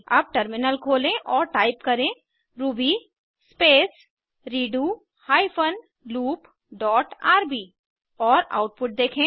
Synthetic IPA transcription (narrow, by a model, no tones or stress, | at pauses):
ɐb̚ʈəɾmɪnəlkʰoːlẽʔɔːɾʈaːɪpkɐɾẽ | ɾuːbi | speːs | ɾiːɖuː | haːipʰən | luːp | ɖɔːʈaːɾbiː | ɔːɾa̰ːʊʈ̚pʊʈ̚d̪eːkʰẽː